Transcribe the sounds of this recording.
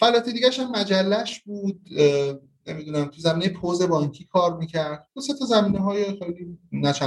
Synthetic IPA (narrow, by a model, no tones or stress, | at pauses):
fælɒːt̪ʰed̪iɡɟæʃæmːæd͡ʒælːæʃbuːd̪̥̚ | nemid̪uːnæmt̪ʰuzæmiːnejepʰoze̞bɒːŋcʰiːkʰɒːɾmiːcʰæɾd̪̥̚b̪uset̪ʰɒːzæmiːneɦɒːjexejliːnæt͡ʃʰæ